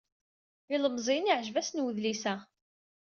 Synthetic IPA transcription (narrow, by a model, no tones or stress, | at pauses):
iləmzˤiniʕʒvæsnwəðlisæ